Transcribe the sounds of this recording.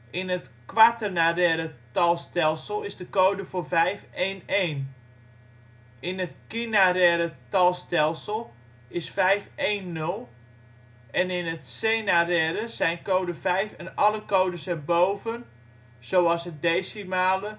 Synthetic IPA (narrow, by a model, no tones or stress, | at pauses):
ʔɪnətkʋatənarɛːɾətɑlˠstɛlˠsəlˠɪzdəkoːwdəfoːrvɛjfejnejn | ɪnətkinaɾɛːɾətɑlˠstɛlˠsəlˠ | ɪsfɛjfejnːɵlˠ | ʔɛnɪnətseːnarɛɾəzɛjnkowdəfɛjfənɑləkowdəsɛbowvən | z̥owɑsət̚dejsimaːlə